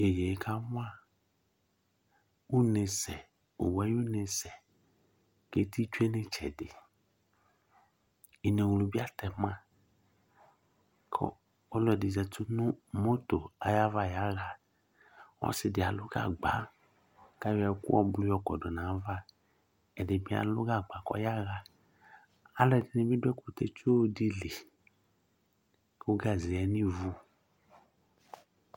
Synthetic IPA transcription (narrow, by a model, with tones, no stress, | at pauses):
e˨je˨˦kʰa˦wʊ̃˦a˦˨ | u˦nẽ˨sɛ˨ | o̰˨wɛ˨˦ju˦nẽ˨sɛ˨ | ke˦ti˦t͡ʃu˦e˦nẽ˦t͡ʃʰɛ̰˨dɪ˨ | i˨ne˨wu˨lũ˨bi˦a˦tɛ˨mã˦ | kʰɔ̰˦ | ɔ˦lɔ˨dɪ˨zɛ˨tʊ˦nʊ̃˦mo˦to˨a˨ja˦va˦˨ja˦ɣa˨ | wɔ̰˦sɪ˨dɪ˨a˨lʊ˦ɡa̰˨ɡ͡ba̰˨˦ | ka˦ɛ˨˦kṵ˦ɔ̰˦blu˦jɔ˦kɔ̰˨dɔ˨nã˨˦va˦ | ɛ˨de˨bi˦a̰˨lo˦ɡa˦˨ɡ͡ba˨kɔ̰˦ja˦ɣa˦ | a˨˦lɔ˦ɛ˨de˨nĩ˦bi˦du˦ɛ˦ko˨t̪e˦t͡ʃo˦di˦li˨˦ | o˦ɡa˦˨zi˨ɛ˨nĩ˦vu˦